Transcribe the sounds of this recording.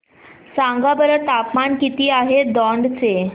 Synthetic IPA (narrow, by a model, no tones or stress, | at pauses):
saŋɡabəɾət̪apmankit̪iːaɦed̪ɔɳɖt͡se